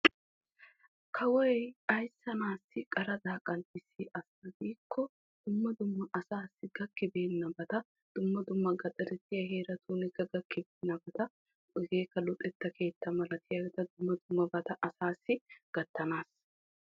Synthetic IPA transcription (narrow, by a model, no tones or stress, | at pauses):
kʰɐwɔjjɐjsːɐnaːsːɪkʼɐɾɐd̪aːkʼɐnt̪ɪsiːʔɐsɐɡiːkʰːɔ | d̪̥ʊmːɐd̪ʊmːɐʔɐsaːsːɪɡɐkːɪbe̞ːnːɐbɐt̪ɐ | d̪̥ʊmːɐd̪ʊmːɐɡɐt̪ʼɐɾɛt̪ːɪjɐɦe̞ːɾɐt̪ʰuːnɪɡɐɡɐkːɪbeːnːɐbɐt̪ɐ | ɡeːkːɐlʊt̪ʼɛt̪ːɐkʰe̞ːt̪ːɐmɐlɐt̪ʰɪjɐɡɛt̪ɐd̪ʊmːɐd̪ʊmːɐbɐt̪ɐʔɐsaːsːɪɡ̥ɐt̪ːɐnaːs